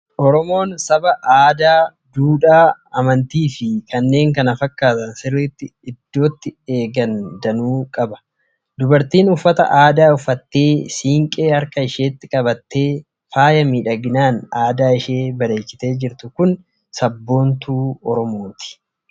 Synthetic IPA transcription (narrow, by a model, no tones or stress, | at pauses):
ʔɔɾɔmo̞ːnsɐbɐʔaːd̪aː | d̪uːᶑaː | ɐmɐnt̪iːfɪkɐnːe̞ːŋkɐnɐfɐkːaːt̪ɐnsɪrɪːt̪ːɪːd̪ːo̞ːt̪ːɪeːɡɐnd̪ɐnuːkʼɐbɐ̥ | d̪ʊbɐɾt̪iːnʊfːɐt̪ɐ̰ʔaːd̪aːʊfːɐt̪ːe̞ːsiːŋkʼe̞ːɐɾkɐɪʃe̞ːt̪ːɪkʼɐbɐt̪ːe̞ː | faːjɐmiːᶑɐɡɪnaːnaːd̪aːɪʃeːbɐɾe̞ːkːɪ̥t̪e̞ːd͡ʒɪɾt̪ʊkʊn | sɐbːo̞ːnt̪uːɔɾɔmo̞ːt̪ɪ̥